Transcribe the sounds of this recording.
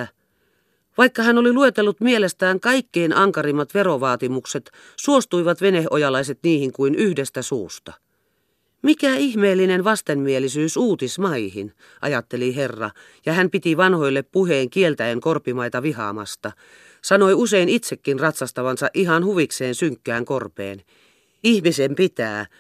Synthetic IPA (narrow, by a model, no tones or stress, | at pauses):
ʋɑikːɑhænoliluet̪elːut̪mielest̪æːŋkɑikːeinʔɑŋkɑrimːɑt̪ʋeɾoʋɑːt̪imukset̪ | suost̪uiʋɑt̪ʋenehojɑlɑiset̪niːhiŋkuinyhdest̪æsṵːst̪ɑ | mikæihmeːlːinenʋɑst̪emːielisyːsuːt̪ismɑihin | ʔɑ̰jɑt̪ːeliɦerːɑ̰ | jɑhæmpit̪iʋɑnhojlːeppuheːŋkielt̪æeŋkorpːimɑit̪ɑʋihɑ̰mɑ̰st̪ɑ | sɑnoiuseinit̪sekːinrɑt̪sɑst̪ɑʋɑnsɑʔiɦɑnhuʋikseːnsyŋkːæːŋkorpḛːn | ihmisempit̪æ̰ː